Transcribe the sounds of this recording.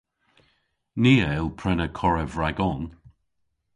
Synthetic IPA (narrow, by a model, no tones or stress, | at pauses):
niːəɛlˠpʰɹɛnəkʰɔɹəvɹaɡɔn